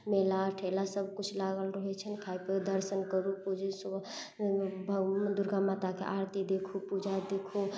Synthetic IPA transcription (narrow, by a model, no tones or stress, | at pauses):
melaʈʰelasəb̚ʱkut͡ʃʰlaɡəlɾɔɦɛt͡ʃʰənkʰajpəd̪əɾsənkəɾupud͡ʒes | bʱd̪uɾɡamat̪akḛʔaɾt̪id̪ekʰupud͡ʒʱad̪ekʰu